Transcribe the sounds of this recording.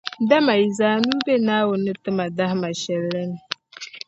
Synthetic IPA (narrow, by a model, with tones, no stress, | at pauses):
da˦ma˨i˨zaː˨nu˦be˦na˦wʊ˨nɨ˦tɨ˦ma˨da˦hma˨ʃɛ˨lːɛ˦n˨